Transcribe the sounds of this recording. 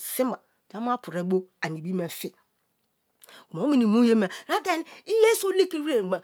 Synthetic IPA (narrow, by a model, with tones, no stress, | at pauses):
sɪ˦m˦a˨d͡ʒa˦m˦a˦pʰu˨ɾe˨˦bo˦a˨ni˨bi˦me˨fi˦ | ku˨mo˨˦mi˨ni˨mũ˦je˦mɛ˨ɾa˦te˦n˦i˦le˦so˦le˦ki˦we˦˨ɡ͡ba˨